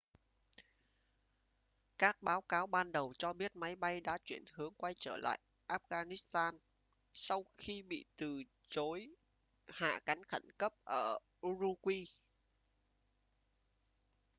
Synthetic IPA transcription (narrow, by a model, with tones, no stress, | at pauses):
kaː˦˥k̚ɓaː˨˦wkaː˨˦wɓaː˧nɗə˨˩wt͡ɕɔ˧ɓi˦˥ət̚ma˨˦jɓa˧jɗa̰ː˧˥t͡ɕwi˧˩ənhɨ˨˦əŋkwa˧jt͡ɕəː˧˩la̰ː˧˨j | ʔaː˦˥p̚ɣaː˧ni˦˥st̪aː˧n | sa˧wxi˧ɓḭ˧˨t̪ɨ˨˩ | t͡ɕo˨˦j | ha̰ː˧˨ka˨˦jŋxə˧˩nkə˦˥p̚ʔəː˧˩ | zu˧kwi˧